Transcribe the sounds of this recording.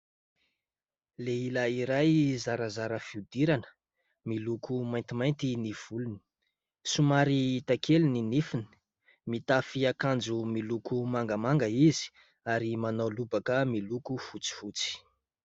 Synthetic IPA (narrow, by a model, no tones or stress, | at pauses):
leilaiɾajzaɾazaɾəfiud̪iɾanə̥ | milukumajnt̪imajnt̪iniv̥uluni̥ | sumaɾiit̪akeluninifini̥ | mit̪afiakand͡zumilukumaŋɡamaŋɡəizi̥ | aɾimanawlubakəmilukufut͡si̥fut͡si̥